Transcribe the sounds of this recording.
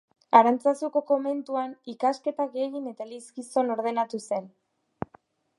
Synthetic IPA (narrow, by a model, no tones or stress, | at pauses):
aɾant͡sasuko̞ko̞me̞nt̪uanikaske̞t̪aɣeɣine̞t̪aliskiso̞no̞ɾð̞e̞nat̪use̞n